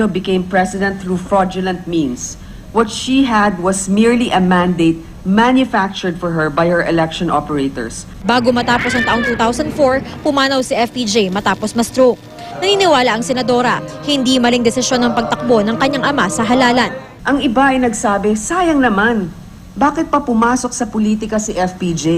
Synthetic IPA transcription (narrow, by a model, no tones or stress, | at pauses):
obɪkẽjmpɹɛsɪd̪ɛ̃nt̪̚θɹufɹɔd͡ʒʊlɐ̃nt̪̚mĩns | wɔt̪ʃiɦæd̪̚wɐsmiɹliʔɐmãnd̪ejt̪̚ | manjʊfak̚t͡ʃʊɹd̪̚fɔɹɦɛɹbajhɛɹʔɛlɛkʃɔ̃nʔɔpɛɹejt̪ɔ̰ɹs | baːɡomɐt̪aːpo̞sɐŋt̪ɐʔo̞ŋt̪uːt̪awsɐnd̪foɹpʊmaːnɐwsiʔɛfpid͡ʒejmɐt̪aːposmɐst̪ɾok̚ | nɐniːnɪwaːlɐʔɐŋsɛnɐd̪o̞ɾɐ̰hɪnd̪imɐliŋd̪ɛsɪsjo̞nːɐŋpɐɡ̚t̪ɐk̚bo̞nɐŋkɐɲːaŋʔɐmasɐɦɐlaːlɐn | ʔɐŋɪbaʔɐjnɐɡsaːbɛsaːjɐŋnɐman | baːkɪt̪̚pɐpʊmaːsok̚sɐpoliːt̪ɪkɐsiʔɛfpid͡ʒe